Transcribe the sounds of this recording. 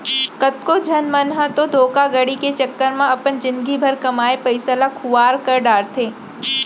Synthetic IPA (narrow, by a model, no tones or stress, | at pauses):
kɐt̪kod͡ʒʱɐnmɐnɦat̪od̪ʱoːkaɡɐɽiket͡ʃɐkːəɾmãɐpənd͡ʒɪnɡibʱɐɾkɐmaːepɐɪsəlakʰʊʋaːɾkɐɾɖaːɾt̪ʰeː